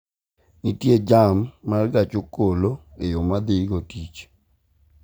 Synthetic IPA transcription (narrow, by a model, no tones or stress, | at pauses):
nitjed͡ʒamːarɡat͡ʃokolo | ejomad̪ɪɡotit͡ʃ